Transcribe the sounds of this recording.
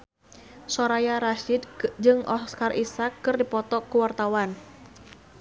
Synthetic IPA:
soɾajaɾaʃɪd̪d͡ʒɨŋɔskarʔisakːɨrdipɔt̪ɔkːuwart̪awan

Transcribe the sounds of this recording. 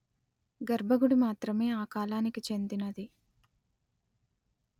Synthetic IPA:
ɡɐɾbʱɐɡuɽimaːt̪ɾɐme̞ːaːkaːlaːnikit͡ʃe̞nd̪inɐd̪i

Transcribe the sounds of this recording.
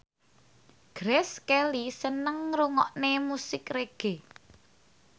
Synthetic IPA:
ɡ̥ɾɛskɛlisənəŋɾuŋɔ̰ʔnemusɪkreɡ̥e

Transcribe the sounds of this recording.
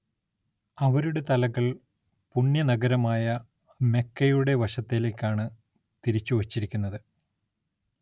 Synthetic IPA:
ɐʋɐɾuɽe̞t̪ɐlɐɣɐɭ | puɳjɐnɐɡɐɾɐmaːjɐ | me̞kːɐjuɽe̞ʋɐɕɐt̪ːile̞ːkʲːaːɳɨ | t̪iɾit͡ɕːuʋɐt͡ɕːiɾikʲːunːɐðɨ

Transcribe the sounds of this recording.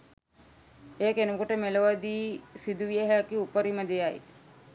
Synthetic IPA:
eːakenukoʈəmeləʋəd̪iːsid̪uʋijəɦəkiupəɾiməd̪ejaj̰

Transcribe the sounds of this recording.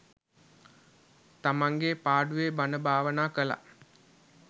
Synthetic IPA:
t̪amaŋɡepaːɖuʋebanəbʱaːʋənaːkəla̰

